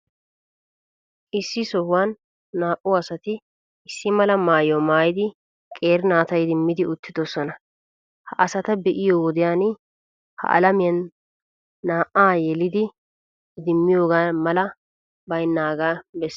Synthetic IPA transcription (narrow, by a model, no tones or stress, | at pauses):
ʔɪsːɪsɔhʊwaːnː | aːʔʊɐsɐt̪ɪ | ɪsːɪmɐlɐmaːjɔmaːjɪd̪ɪ | kʼe̞ːɾnaːt̪ɐjd̪ɪmːɪd̪ɪʊt̪ːɪd̪ɔsɔnɐ | hɐʔɐsɐt̪ɐbɛʔɪjowɔd̪ɪjaːn | hɐ̰ʔɐ̰lɐmɪjɐnː | aːʔaːjɛlɪd̪ɪ | d̪ɪmːɪjo̞ːɡaːmɐlɐ | bɐjnːaːɡaːbɛsː